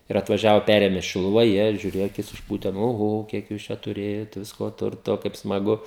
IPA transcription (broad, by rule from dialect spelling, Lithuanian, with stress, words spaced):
ɪr ɐtʋɐˈʒʲæːʋoː ˈpʲærʲeːmʲeː ʃʲɪlˠʊˈʋɐ ˈjiɛ ʒʲʊˈrʲeːjɛ ɐˈkʲɪs ɪʃˈpuːtʲɛ nʊ oːˈɣoː ˈkʲiɛk juːs ˈt͡ʃʲɛ tʊˈrʲeːjoːt ˈʋʲɪskoː ˈtʊrtoː kɐɪp smɐˈɡʊ